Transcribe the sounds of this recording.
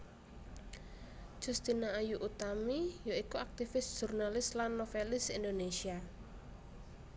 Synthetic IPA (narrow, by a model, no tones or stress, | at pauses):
ʒ̥ṳst̪inaːjuʔut̪amijoikuak̚t̪ifɪsʒ̥urnalɪslanːofelɪsind̪onesia